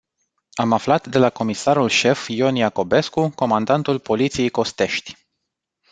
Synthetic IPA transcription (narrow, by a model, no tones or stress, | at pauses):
amaflat̪d̪e̞lako̞misaɾulʃe̞fjo̞nijako̞be̞skuko̞mand̪ant̪ulpo̞lit̪sije̞jko̞st̪e̞ʃt̪ʲ